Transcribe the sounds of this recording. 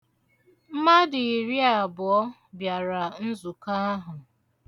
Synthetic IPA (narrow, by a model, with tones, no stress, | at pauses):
m̩˦ma˦dɪ˨i˨ɾi˦a˨bʊ˨ɔ˦ | bja˨ɾa˨n̩˦zu˨ka˦ɦʊ˨